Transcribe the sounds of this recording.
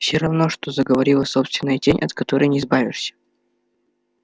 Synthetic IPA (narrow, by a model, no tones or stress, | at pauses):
fsʲoɾɐvno̞ʂt̪o̞zəɡəvɐɾʲilˠəso̞pst̪vʲɪnːəjətʲenʲʔɐt̪kɐt̪o̞ɾɨjnʲɪɪzbavʲɪʂsʲə̥